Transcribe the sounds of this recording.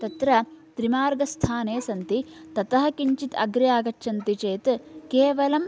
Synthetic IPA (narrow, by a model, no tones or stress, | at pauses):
t̪ɐt̪ɾɐt̪ɾimaːɾɡɐst̪ʰaːneːsɐnt̪it̪ɐt̪ɐɦɐ̆kiɲt͡ʃit̪ɐ̰ɡɾɐjaːɡɐt͡ʃːʃʰɐnt̪it͡ʃeːt̪keːʋɐlɐm